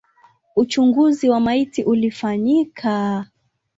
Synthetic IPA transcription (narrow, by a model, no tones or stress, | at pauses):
ut͡ʃuŋɡuziwamaitiʔulifaɲikʰa